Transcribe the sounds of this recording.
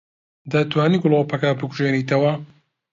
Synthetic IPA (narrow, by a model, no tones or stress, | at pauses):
d̪ɐt̪waːniːɡʊlˠowpɐkabɨkʰuʒeːniːt̪ɐwɐ